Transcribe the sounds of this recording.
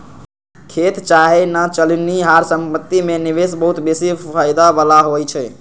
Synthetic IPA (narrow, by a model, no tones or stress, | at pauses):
kʰet̪t͡ʃaɦenat͡ʃəlniɦaɾsəmpət̪ːimeniʋesbəɦut̪besipʰaɪd̪abalaɦojt͡ʃʰɛ